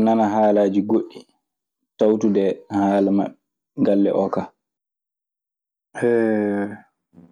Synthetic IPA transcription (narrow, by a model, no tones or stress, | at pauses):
nanaɦaːlaːd͡ʒiɡoʔi | tawtudɛhaːlama̰ɛ | ɡalːɛ̰ʔɔkaː | ɛ